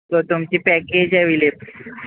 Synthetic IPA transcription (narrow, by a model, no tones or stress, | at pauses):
t̪ot̪umt͡ɕiːpɛked͡ʑaʋilep